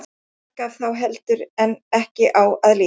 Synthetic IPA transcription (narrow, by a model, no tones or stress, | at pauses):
kaθawɦɛlt̪ʏɾɛnːɛhcɪʔawaðli